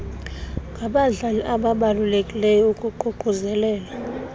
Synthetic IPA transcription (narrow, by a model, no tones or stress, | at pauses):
ŋɡʱaɓaɮaliʔaɓaɓalulekʼilɛjɔukʼuǃʱuɡ͡ǃ̥ʱuzɛlɛːla